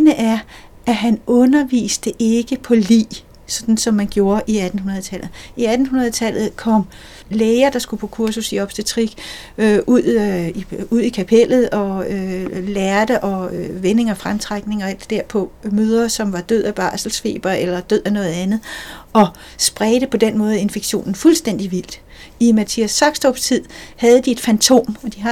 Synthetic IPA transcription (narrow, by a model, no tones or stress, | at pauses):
nəʔæɐʔæɦænɔ̽nɐʋḭːsd̥əʔe̝ɡ̥əpʰɒ̽lḭː | sɒ̽d̥n̩sɒ̽mːænɡ̥jo̝ːɐʔiæd̥n̩hunɐð̞̩ˠt͡sʰælð̩ˠiæd̥n̩hunɐð̞ˠt͡sʰæl̰ð̩ˠkʰɒ̽m̰ | leːɐd̥ɑ̈sɡ̥upʰɔkʰuɐsusiɒ̽b̥sd̥et͡sʰʁiɡ̥ | øʔuð̰ˠiuð̞̰ˠikʰæpʰel̰ð̞̩ˠɒ̽ølæɐd̥əʔɒ̽ʋene̝ŋɒfʁamt͡sʰʁaɡ̥ne̝ŋɒ̽æl̰d̥d̥eɐ̰pʰɒ̽møːð̞ˠɐsɒ̽mʋɑ̈d̥øð̰ˠæb̥ɑ̰̈ːsl̩sfe̝̰ːb̥ɐelɐd̥øð̰ˠænɔ̽ːð̞̩ˠænð̩ˠɒ̽ | sb̥ʁɛːd̥əpʰɒ̽d̥enmɔ̽ːð̩ˠe̝nfe̝ɡ̥ɕo̝̰ːnn̩fulsd̥en̰d̥iʋil̰d̥ | imæt͡sʰiæsːɑ̈ɡ̥sd̥ɒb̥st͡sʰið̰ˠhæð̞ˠd̥ie̝d̥fænt͡sʰo̝̰ːmɒd̥iɦɑ